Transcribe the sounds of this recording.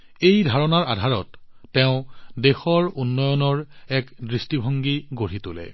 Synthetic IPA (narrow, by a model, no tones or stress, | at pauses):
ejdʱaɹɔnaɹadʱaɹɔtː | ɛʊ̃dexɔɹunːɔjɔnɔɹɛkdɹistibʱɔŋɡiɡoɹitʊlɛ̰